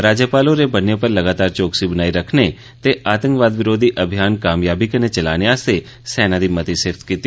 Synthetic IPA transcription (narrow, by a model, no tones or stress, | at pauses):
ɾaːd͡ʒjəpaːlõɾebənepəɾlɐɡaːt̪aːɾt͡ʃoːksibənaːiɾəkʰne | t̪eʔaːt̪ə̃ŋkʋaːd̪ʋɪɾoːd̪ʱiʔəbʱijaːnkaːmjaːbikənet͡ʃɐla̰ːneaːst̪e | sɛːnad̪iːmət̪isɪft̪kiːt̪i